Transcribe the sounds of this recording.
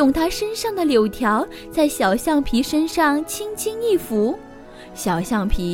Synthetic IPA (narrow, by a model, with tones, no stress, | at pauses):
ʊ˨˩ŋt̪ʰa˥ʂə˥nʂɑ˥˩ŋd̪ə˩ljo˨˩ʊt̪ʰjɑ˧˥ʊ | t͡sa˥˩ɪɕjɑ˨˩ʊɕjɑ˥˩ŋpʰi˧˥ʂə˥nʂɑ˥˩ŋt͡ɕʰi˥ŋt͡ɕʰi˥ŋi˥˩fu˧˥ | ɕjɑ˨˩ʊɕjɑ˥˩ŋpʰi˧˥